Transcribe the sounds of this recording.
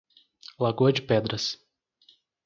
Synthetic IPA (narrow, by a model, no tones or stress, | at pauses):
laɡuɐd͡ʒɪpɛd̪ɾɐs